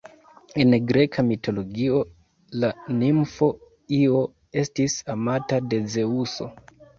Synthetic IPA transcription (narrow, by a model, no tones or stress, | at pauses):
e̞nɡɾe̞kʰamitʰo̞lo̞ɡio̞ | lanimfo̞ | io̞ | e̞stisamatade̞ze̞uso̞